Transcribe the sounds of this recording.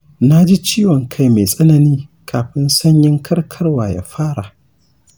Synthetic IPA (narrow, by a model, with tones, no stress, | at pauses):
na˦d͡ʒi˦t͡ʃiː˦wɔ˨ŋkʰa˦˨jme˨sʼɐ˦na˨niː˦kʰaː˨ɸɪ˦nsɐ˦ɲjɪ˦ŋkʰɐ˦rkʰɐ˦rwaː˨ja̰˨ɸaː˦ɽa˨ʔ